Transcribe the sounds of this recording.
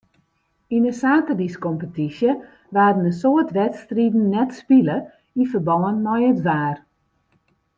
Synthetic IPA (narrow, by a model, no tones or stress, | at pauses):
inəsaːtədiskɔmpətisjə | ʋaːdənəsoətʋɛtstridn̩ːɛtspilə | ifərbɔwənmɔjətʋaːr